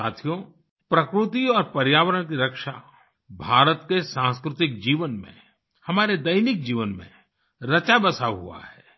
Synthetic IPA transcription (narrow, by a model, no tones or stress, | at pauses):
a̰ːt̪ʰijo | pɾɐkɾʊt̪iɔːɾpɐɾjaːʋəɾəɽk̬iɾɐkʃa̰ | bʱaːɾət̪kesãːskɾʊt̪ɪk̚d͡ʒiːʋənmḛ̃ | hɐmaːɾed̪ɐjnɪk̚d͡ʒiːʋənmḛ̃ | ɾɐt͡ʃabɐsaːɦṵa̰ɦɛː